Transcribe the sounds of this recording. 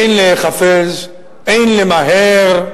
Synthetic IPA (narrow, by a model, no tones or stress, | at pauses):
jnleχafez | ejnlemaɦeɾ